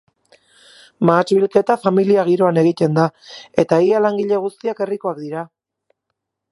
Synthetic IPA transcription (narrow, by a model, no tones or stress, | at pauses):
maːt͡ʃβilke̞t̪afamiliaɣ̞iɾo̞ane̞ɣ̞it̪e̞nd̪ae̞t̪aialaŋɡiʎe̞ɣ̞ust̪iake̞riko̞akd̪iɾa